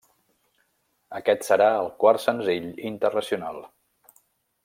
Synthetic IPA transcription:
əkɛt̪səɾaəlˠkwarsənziʎint̪ərnəsiunalˠ

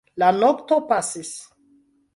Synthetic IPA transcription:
lanoktopasis

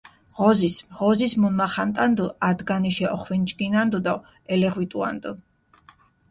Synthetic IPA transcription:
ʁɔzisʁɔzismunmaχant̪ʼand̪uad̪ɡaniʃɛʔɔχwint͡ʃʼɡinand̪ud̪ɔ | ɛlɛʁwit̪ʼua̰nd̪u

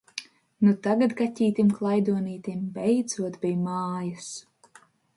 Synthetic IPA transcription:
nut̪aɡat̪ɡatʲiːt̪ʲimklˠajd̪uɔniːt̪imbɛjd̪zuɔt̪bʲijmaːjas

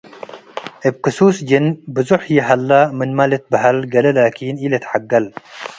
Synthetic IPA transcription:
əb̚kɨsuːsd͡ʒɪnbɨzuħjiɦɐlːamɨnmalet̪̚bɨɦɐlɡɐlɐlaːkiːnilet̪ħaɡːɐl

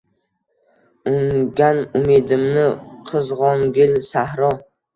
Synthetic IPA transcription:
ʊŋɡʲanʊmed̪ɪmnɪqʰɨzʁɒŋɡʲɪlsahɾɒ

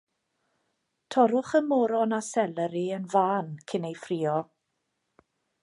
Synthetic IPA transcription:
tʰɔɾʊχəmɔːɾɔnasɛlɛɾiənvaːnkʰɪnejfriːɔ

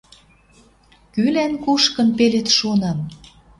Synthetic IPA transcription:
kylænkuʃkə̆npelet̪ʃonɑm

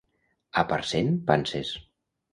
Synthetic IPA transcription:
apaɾsenpanses

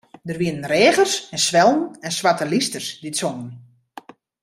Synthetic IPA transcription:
dərʋiənənrɛːɣərsɛnsʋɛlˠn̩ɛnsʋatəlistərsditsonən

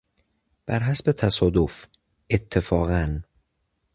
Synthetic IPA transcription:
b̥æɾɦæsbet̪ʰæsɒːd̪of | ʔet̪ʰːefɒːɣæn

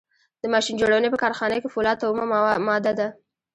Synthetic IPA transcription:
d̪əmɑʃind͡ʒoɽawənepəkɑɾxɑnəkefʊlɑt̪awmamɑd̪ad̪a

